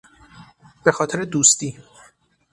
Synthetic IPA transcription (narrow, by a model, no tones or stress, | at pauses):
b̥e̞xɒːt̪ʰeɾed̪uːst̪iː